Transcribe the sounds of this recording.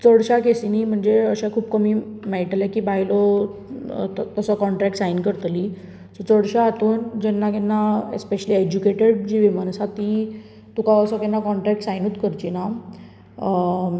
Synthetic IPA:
t͡səɽɕakesinim̤əɳd͡zeəɕãkʰuːpkəmiːmajʈljakiːbajlɔ | t̪əsɔkɔɳʈɾɛk̚ʈsajnkəɾt̪li | sɔt͡səɽɕaːt̪uːnd͡ʑɛnːakɛnːaḛspeɕəlied͡ʑukeʈeɽd͡ʑiʋimansat̪i | t̪ukaəsɔkɛnːakɔɳʈɾɛk̚ʈsajnuːt̪kəɾt͡ɕina

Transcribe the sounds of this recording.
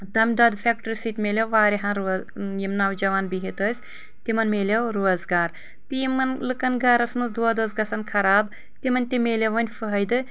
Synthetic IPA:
d̪ɐmʲd̪ɐːd̪fʰʲek̚ʈɨɾʲsit̪ʲmʲelʲewʋaːɾiɦãnɾjimnaːwd͡ʒɐʋaːnbiɦit̪əːsʲ | t̪imɐnmeːlʲewɾoɐzɡaːɾ | t̪ijimɐnlɨkɐnɡɐɾɐsmɐsd̪uɐd̪ɐːzɡɐsɐnkʰɐɾaːb | t̪imɐnʲt̪imeːlʲeʋɐnʲfɨɦɐjd̪ɨ

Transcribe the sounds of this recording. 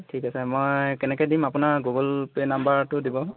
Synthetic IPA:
tʰikasɛmojkɛnɛkɔjdimapʊnaɡuɡɔlpenambaɹtʊdibɔ

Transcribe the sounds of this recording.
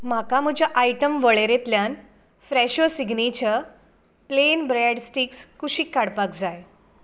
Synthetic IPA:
m̤akaməd͡ʑʱaʔajʈəmʋəɭeɾet̪ljan | fɾɛɕʋəsiɡnit͡ɕa | plenbɾɛɖsʈikskuɕiːkːaɽpakd͡zaj

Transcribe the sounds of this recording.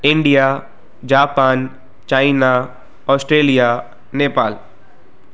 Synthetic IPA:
ɪ̃ɳɖija | d͡ʑaːpaːn | t͡ɕaːina | ɔːsʈɾeːlija | neːpaːl

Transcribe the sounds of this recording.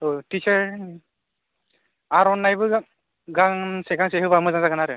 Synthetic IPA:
otit͡ʃəɹ | aɾɔnːajbɯɡ | ɡaŋseɡaŋseɦɯbamɯzaŋzaɡanaɾɯ

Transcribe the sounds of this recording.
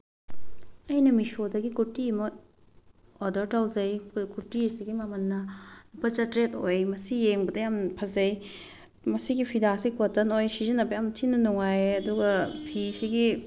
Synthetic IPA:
ɐjnɐmisodɐɡikuɾtimɐ | ɔdɐɾtawzɐjkuɾtisiɡimɐmɐnːɐnupɐt͡ʃɐtɾetojmɐsijeŋbɐdɐjampʰɐzɐj | mɐsiɡipʰidasikotɐnojsizɐnːɐpɐjamtʰinːɐnuŋajeɐduɡɐpʰisiɡi

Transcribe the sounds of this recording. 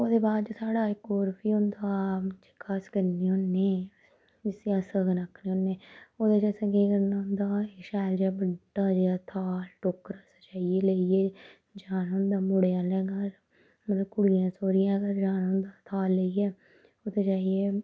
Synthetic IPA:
oːd̪eːbaːd̪d͡ʒsaːɽaːɪkːoːɾpʰiːʊ̃nd̪aːd͡ʒɪkʰːaskəɾniːʊnːeː | d͡ʒɪsɪjãːsəɡnakʰːniːɦõnːeːoːd̪eːd͡ʒəːsə̃ɡeːkəɾnaːʊ̃nd̪aːeʃɛːld͡ʒaːbəɖaːd͡ʒaːt̪ʰaːlʈokːəɾəsaːt͡ʃaːieːləieː | d͡ʒaːnʊ̃nd̪aːmʊɽejãːlɛːɡaːɾ | mət̪ləb̚kʊɽɪjãːsoːɾɪjãːkəɾd͡ʒaːnʊ̃nd̪aːt̪ʰaːlːəiɛː | od̪eːt͡ʃaːieː

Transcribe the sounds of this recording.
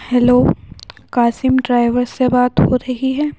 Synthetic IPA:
hɛloːkaːsɪmɖɾaːɪʋəɾsebaːt̪ɦhoɾɐɦiɦɛː

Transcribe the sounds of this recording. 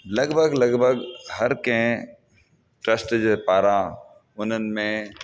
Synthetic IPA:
lɐɡbʱəɡlɐɡbʱəɡhɐɾkẽ | ʈɾəsʈd͡ʒpaːɾã | ʊn̤ənɪ̆mẽ

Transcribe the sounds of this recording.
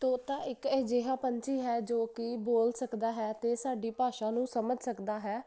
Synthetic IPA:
t̪oːt̪ãːɪkɛd͡ʒeːɦãːpəɲt͡ʃiːɦɛːd͡ʒoːkɪboːlsəkd̪aːɦɛːt̪eːsaːɖiːpaːʃãːnũːsəməd͡ʒsəkd̪aːɦɛː

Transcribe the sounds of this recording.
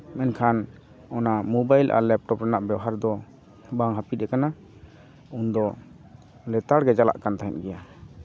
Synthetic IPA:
mɛnkʰan | ɔnamɔbajlʔa̰lɛp̚ʈɔpɾɛnaʔbɛwɦaɾd̪ɔ | baŋɦapit̪̚ɛkana | und̪ɔ | lɛt̪aɽɡɛd͡ʒala̰ʔkant̪aɦɛ̰nɡɛja

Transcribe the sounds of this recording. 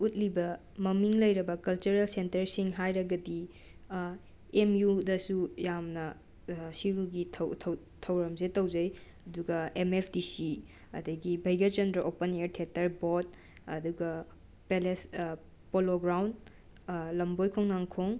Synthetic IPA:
ut̚libɐ | mɐmiŋlɐjɾɐbɐkɐlt͡ʃuɾelsentɐɾsiŋɦajɾɐɡɐdi | emjudɐsujamnɐ | siɾuɡitʰɐtʰ | tʰɐwɾɐmsetɐwzɐj | ɐduɡɐemepʰdisi | ɐ̰dɐɡibʱɐjɡɐt͡ʃɐndɾɐʔopɐneɾtʰetɐɾbot̚ | ɐ̰duɡɐ | peles | poloɡɾawnd | lɐmbojkʰoŋnaŋkʰoŋ

